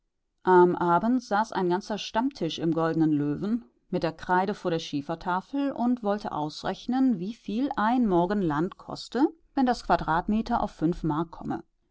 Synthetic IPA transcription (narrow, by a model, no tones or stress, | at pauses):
ʔamʔaːbn̩tz̥aːsa̰ɪnɡant͡sɐʃtamtʰɪʃɪmɡɔldənənløːvn̩ | mɪt̚d̥eːɐkʁ̥aɪɾəfoːɐɾeːɐʃiːfɐtʰaːfl̩ʊntv̥ɔltʰə̰ʔa̰ʊsʁɛ̰çnənviːfiːlaɪnmɔɐɡən̩lantkʰɔ̰stəvɛndaskv̥adʁaːtmeːtɐʔa̰ʊfːʏnfmaɐkʰːɔmə̰